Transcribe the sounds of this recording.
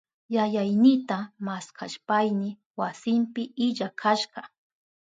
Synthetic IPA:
jajajnɪt̪amaskʰa̰ʃpajnɪ | wasɪmpɪɪʎakʰaʃɢɑ

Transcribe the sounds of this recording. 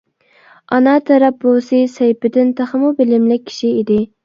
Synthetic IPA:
ɑnɑt̪ʰɑɾɑp̚bosɨsejpɪd̪ɪnt̪ʰæχmubɪlɪmlɪk̚ʲʰːi̥ʃiid̪ɪ

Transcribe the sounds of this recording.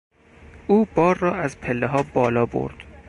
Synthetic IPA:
ʔuːbɒːɾːɒːæzpʰelːeɦɒːbɒːlɒːbo̰ɾd̪̥

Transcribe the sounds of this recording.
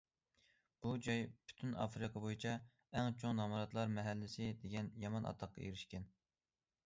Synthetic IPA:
b̥ud͡ʒɑjpʰy̥t̪ʰynɑ̰fɾɨqʰɑbojit͡ʃʰɑ | ɛŋt͡ʃʰoŋnɑmɑɾɑt̪lˠɑɾmɛɦælːɪsɪd̪eɡʲɛnjɑmɑnʔɑ̰t̪ʰːɑqʰːɑ̰ḛɾɪʃkʲɛn

